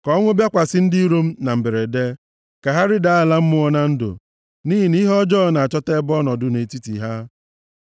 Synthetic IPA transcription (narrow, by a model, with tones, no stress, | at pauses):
kɔ˦ŋʷʊ˦bja˦kʷa˨sɪ˦n̩˦di˦ɾo˦m̩˦na˨m̩˨be˨ɾe˨de˦ | ka˨ɦa˦ɾɪ˦da˨la˦m̩˦mʊ˦ɔ˦na˦n̩˦dʊ̰˨ | niː˦ɦi˨ni˦ɦɔ˦d͡ʒɔː˦˨na˨a˨t͡ʃɔ˦te˦bɔ˦nɔ˨dʊ˨ne˨ti˦tḭ˨ɦa˦